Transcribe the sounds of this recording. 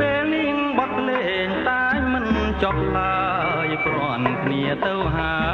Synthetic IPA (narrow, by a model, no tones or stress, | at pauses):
peːlniəŋɓɑt̪̚leː | ɲt̪aɛjmɨn | t͡ɕɑp̚t̪aː | jkro | nkʰniət̪ɨwɦaə